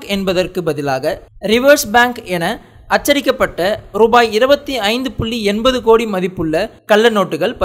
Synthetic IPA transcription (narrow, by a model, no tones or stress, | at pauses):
kɛnbɐðɐrkɯbɐðɪlaːɣɐɾɪʋɐɾsbaːŋkɛnɐ | ɐt͡ʃːɐɾɪkːɐpːɐʈːɐɾuːbaːjɪɾɯbɐt̪ːiɐɪnd̪ɯpʊɭːiɛnbɐðɯkoːɽimɐðɪpːɯɭːɐkɐɭːɐnoːʈːɯɣɐɭpɐ